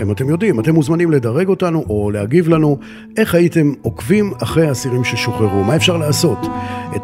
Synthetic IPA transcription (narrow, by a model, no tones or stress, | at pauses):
emate̞mjo̞dimate̞muzmanimle̞daʁe̞ɡo̞tanuʔo̞leaɡivlanu | ʔe̞χhajite̞mo̞kvimaχʁejasiʁimʃeʃoχeʁumae̞fʃaʁlaːso̞tet